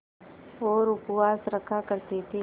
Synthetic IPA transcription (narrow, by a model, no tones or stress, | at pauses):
oːɾʊpwaːsɾəkʰakəɾt̪it̪ʰi